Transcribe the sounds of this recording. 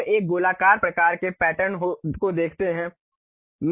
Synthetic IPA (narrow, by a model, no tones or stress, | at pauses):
eːk̚ɡoːlaːkaːɾpɾɐkaːɾkepɛːʈənɦokod̪eːkʰt̪eɦɛ̃ː | m